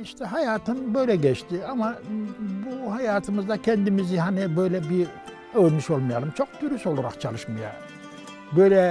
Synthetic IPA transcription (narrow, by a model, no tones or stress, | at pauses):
iʃt̪ʰɛɦajaːt̪ʰɯnbø̞jlʲɛɟɛt͡ʃt̪ʰiamabuhajaːt̪ʰɯmɯzd̪acʰɛnd̪imizihanibøjlʲɛbi | ølʲmiʃo̞lˠmajalˠɯmt͡ʃʰo̞k̚d̪yɾyso̞lˠaɾakt͡ʃʰalˠɯʃmaja̰ | bøjlʲɛ